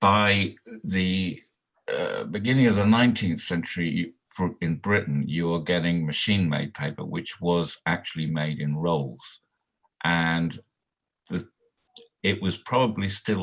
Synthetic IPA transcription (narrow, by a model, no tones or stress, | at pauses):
b̥aɪði | ʌ̰bɨɡɪ̃nɪ̃ŋəvðənãɪ̃ntʰĩnθsɛ̃nt͡ʃəɹi | fɹɪ̃nbɹɪʔn̩jəwəɡɛɾɪ̃ŋmɨʃĩnmḛɪd̚pʰeɪpə̰wɪt͡ʃwʌzak̚t͡ʃul̩ˠimeɪɾɪ̃nɹoʊlˠz̥ | ʔə̃n | ðə | ɪʔwʌz̥pʰɹ̥ɒbəblistɪl